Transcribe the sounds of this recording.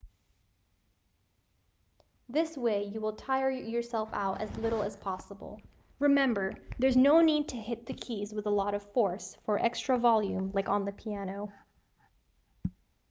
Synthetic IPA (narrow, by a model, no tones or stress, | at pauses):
ðɪsweɪjɨwəlˠtʰaɪə˞jə˞sɛlˠfa̰ʊɾɨ̰zlɪɾl̩ˠəz̥pʰɑsəb̰l̩ˠ | ɹɨmɛ̃mbə˞ðə˞znoʊnid̚tʰɨhɪt̪̚ðɨkʰizwəðəlɔɾʌv̥fɔɹsfə˞ʔɛkstɹ̥əvɑlˠjʉ̃mlaɪkn̩ðɨpʰiænoʊ